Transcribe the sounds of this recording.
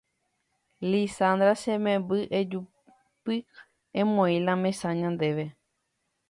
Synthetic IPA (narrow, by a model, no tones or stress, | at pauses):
lisand̪ɾasẽmẽmbɨʔed͡ʒu | pɨ | ẽmõĩlãmẽsãɲãnd̪eʋe